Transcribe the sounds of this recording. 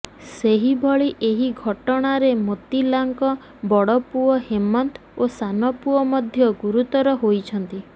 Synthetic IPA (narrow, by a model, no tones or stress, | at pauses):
seɦibʱɔɭiʔeɦiɡʱɔʈɔɽ̃aɾemot̪ilaŋkɔ | bɔɽɔpuɔhemɔnt̪ | osanɔpuɔmɔd̪ʱjɔɡuɾut̪ɔɾɔɦojt͡ʃʰɔnt̪i